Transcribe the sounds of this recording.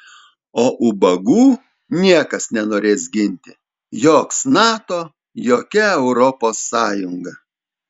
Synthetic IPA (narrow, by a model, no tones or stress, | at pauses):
oːʔʊbɐɡuː | nʲiɛkɐsnʲɛnoːɾʲeːsɡʲɪnʲt̪ʲɪ | joːksnɑːt̪oː | joːkʲɛɛʊɾɔpoːsːɑːjʊŋɡɐ